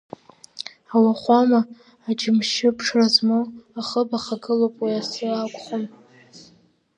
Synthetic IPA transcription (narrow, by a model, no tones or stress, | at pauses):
awaχʷamaː | d͡ʒɪmʃɪpʰʂʰrazmoaχəbaχaɡɨlopʼwiasɨakʷʼχom